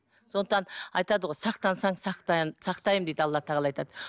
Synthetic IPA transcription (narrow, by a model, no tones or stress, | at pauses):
sond̪əq̚t̪ɑnɑjt̪ɑd̪əʁo̞jsɑqt̪ɑnsɑɴsɑqt̪ɑsɑqt̪ɑjəmd̪ed̪əɑlˠːɑt̪ʰɑʁəlˠɑjt̪ɑd̪ə